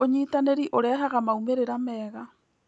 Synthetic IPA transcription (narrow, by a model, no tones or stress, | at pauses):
oɲitaneɾiʔoɾaɦaɣamaumeɾeɾamɛːɣa